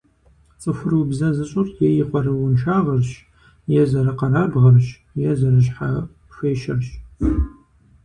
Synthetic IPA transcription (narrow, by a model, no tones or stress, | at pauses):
t͡sʼɨfʷʊrwubzɐzɨɕʼʊrjɛjɪqʷɔrɨwʊnʃaːʁɐrɕ | jɛzɐɾɐqɐɾaːbʁɐrʃ | jɛzɐrɨɕħa | ɕʷeːʃɐrɕ